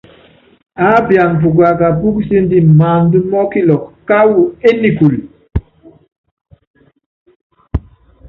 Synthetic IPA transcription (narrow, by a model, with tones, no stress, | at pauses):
a˨˦bja˨m˨pu˨ɡ̬a˨ka˨bu˦kse˦ndi˦ma˨ndu˦mɔ˦ki˦lɔ˨kka˦wu˨e˦ni˨ku˨l